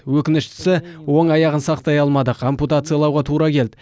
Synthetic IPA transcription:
wɵkʲɪnɪʃt̪ɪ̥sɪwo̞ɴɑjɑʁənsɑqt̪ɑjɑlˠmɑd̪əqʰo̞mput̪at̪sɨjaɑlˠɑwʁɑt̪ʰuɾɑkʲʰe̞ld̪ɪ

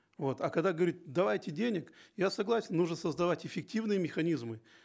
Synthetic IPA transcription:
vo̞t̪ɐkɐɡd̪aɡəvɐɾʲit̪̚d̪ɐvajtʲɪdʲenʲɪkjasɐɡlˠasʲɪnnuʐnəsəzd̪ɐvatʲɪfʲɪk̚tʲivnɨjəmʲɪxɐnʲizmɨ

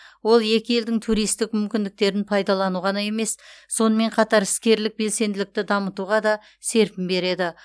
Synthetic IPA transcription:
wo̞lˠje̞kʲɪje̞ld̪ɪŋt̪ʰuɾijst̪ɪkmʏmkʲɪnd̪ɪk̚t̪e̞ɾɪnpʰɑjd̪ɑlˠɑnuʁɑnɑje̞me̞sːo̞nəme̞ɴqʰɑt̪ɑɾɪskʲe̞ɾlɪk̚be̞lse̞nd̪ɪlɪk̚t̪ɪd̪ɑmət̪uʁɑd̪ɑ | se̞ɾpɪmbe̞ɾe̞d̪ɪ

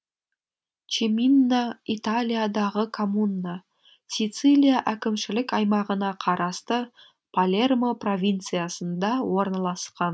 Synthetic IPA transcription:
t͡ʃeminːait̪alʲijad̪ɑʁəkʰomunːa | sit̪sɨlʲijaʔækʲɪmʃɪlɪkɑjmɑʁənɑqʰɑɾɑst̪ə | pʰalʲe̞rmopro̞vʲint̪sɨjasənd̪ɑwo̞ɾnɑlˠɑsqɑn

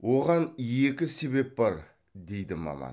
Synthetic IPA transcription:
wo̞ʁɑnje̞kʲɪse̞be̞p̚bɑɾ | d̪e̞jd̪ɪmɑ̰mɑ̰n

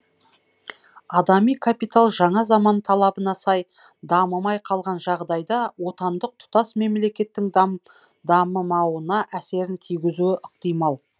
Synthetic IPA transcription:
ɑd̪ɑmijkʰapijt̪alˠʒɑɴɑzɑmɑnt̪ʰɑlˠɑbənɑsɑj | d̪ɑməmɑjqʰɑlˠʁɑnʒɑʁd̪ɑjd̪ɑwo̞t̪ɑnd̪əq̚t̪ʰʊ̥t̪ɑsme̞mle̞kʲe̞t̪ːɪŋ | d̪ɑməmɑwənɑʔæse̞ɾɪnt̪ʰijɡʲɪzuwɪʔɪq̚t̪ijmɑlˠ

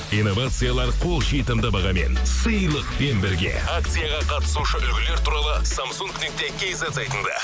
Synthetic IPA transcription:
ijno̞vat̪sɨjalˠɑɾqʰo̞lˠʒejt̪ɪmd̪əbɑʁɑme̞̰nsəjlˠəqpe̞nbɪɾɡʲe̞̰ak̚t̪sɨjaʁɑqʰɑt̪ə̥suʃəʔʏlɡʲɪle̞ɾt̪uɾɑlˠəsamsuŋknek̚t̪ekʲʰejzezɑjt̪ənd̪ə̰

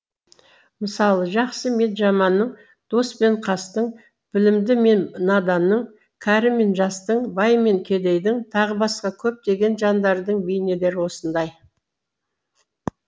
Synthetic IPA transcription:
məsɑlˠəʒɑqsəme̞t̪ʒɑmɑnːəɴ | d̪̥o̞spe̞ɴqʰɑst̪əɴ | b̥ɪlɪmd̪ɪme̞nnɑd̪ɑnːəɴ | kʲʰæɾɪme̞nʒɑst̪əɴbɑjme̞ŋkʲʰe̞d̪e̞jd̪ɪŋt̪ʰɑʁəbɑsqɑkʲʰɵp̚d̪e̞ɡʲe̞nʒɑnd̪ɑɾd̪əɴbejnele̞ɾɪwo̞sənd̪ɑj

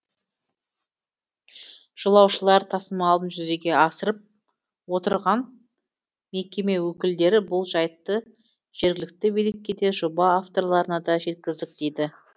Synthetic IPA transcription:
ʒ̥əlˠɑwʃəlˠɑɾt̪ʰɑsəmɑːlˠd̪ənʒʏze̞ɡʲe̞ɑsəɾəp̚ | wo̞t̪əɾʁɑn | me̞kʲe̞me̞wɵkʲɪld̪e̞ɾɪbʊlˠʒɑjət̪ːə | ʒ̥e̞ɾɡʲɪlɪk̚t̪ɪbelekʲːe̞d̪e̞ʒobɑːft̪o̞ɾlˠɑɾənɑd̪ɑʒe̞t̪̚kʲɪzd̪ɪk̚d̪̥ejd̪ɪ

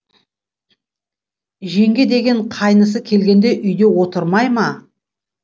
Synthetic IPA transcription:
ʒe̞ŋɡʲed̪e̞ɡʲe̞ɴqʰɑjnəs̬əkʲʰe̞lɡʲe̞nd̪e̞ʔʏjd̪e̞wo̞t̪əɾmɑjmɑ

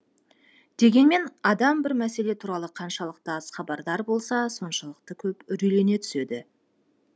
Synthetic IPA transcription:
d̪̥e̞ɡʲe̞nme̞nɑd̪ɑmbɪɾmæse̞le̞t̪ʰuɾɑlˠəqʰɑnʃɑlˠəq̚t̪əɑzχɑbɑɾd̪ɑɾbo̞lˠsɑso̞nʃəlˠəq̚t̪əkʲʰɵpʏɾʏjle̞ne̞t̪ʰʏ̥se̞d̪ɪ

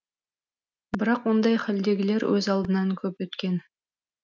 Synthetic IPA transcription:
bɪɾɑqwo̞nd̪ɑjχɪld̪e̞ɡʲɪle̞ɾwʔɵzɑlˠd̪ənɑŋkʲʰɵpwɵt̪kʲe̞n

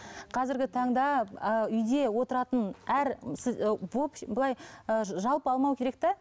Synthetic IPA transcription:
qʰɑzɪɾɡʲɪt̪ʰɑɴd̪ɑəʏjd̪e̞wo̞t̪əɾɑt̪ənæɾsɪbopblˠɑjəʒɑlˠpəɑlˠmɑwkʲʰe̞ɾe̞k̚t̪e

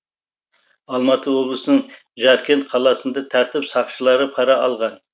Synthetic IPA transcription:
ɑlˠmɑt̪ʰəwo̞blˠəsənəɴ | ʒɑɾkʲʰe̞nt̪̚qʰɑlˠɑsənd̪ɑt̪ʰæɾt̪ɪpsɑqʃəlˠɑɾəpʰɑɾɑɑlˠʁɑn

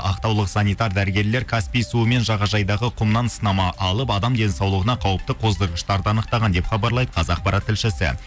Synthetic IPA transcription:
ʔɑqt̪ɑwlˠəqsɑnijt̪ɑɾd̪æɾɪɡʲe̞ɾle̞ɾkʰaspijsuəme̞nʒɑʁɑʒɑjd̪ɑʁəqʰʊmnɑnsənɑmɑʔɑlˠəpɑd̪ɑmd̪e̞nsɑwlˠəʁənɑqʰɑwəp̚t̪əqʰo̞zd̪əɾʁəʃt̪ɑɾd̪əɑnəq̚t̪ɑʁɑnd̪e̞pχɑbɑɾlˠɑjd̪ə̥qʰɑzɑq̚pɑɾɑt̪ʰːɪlʃɪsɪ̰

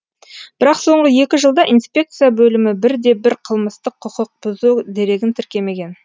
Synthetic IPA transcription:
b̥ɪɾɑqso̞ɴʁəje̞kʲɪʒəlˠd̪ɑʔinspʲe̞k̚t̪sɨjabɵlɪmɪbɪɾd̪e̞bɪɾqʰəlˠməst̪əqʰːʊqəq̚b̥ʊzud̪e̞ɾe̞ɡʲɪnt̪ʰɪɾkʲe̞me̞ɡʲe̞n

